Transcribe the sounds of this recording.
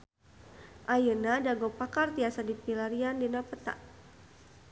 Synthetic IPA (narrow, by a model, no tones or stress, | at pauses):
ʔajənadaɡɔpakart̪iasadipilaɾiandinapət̪a̰ʔ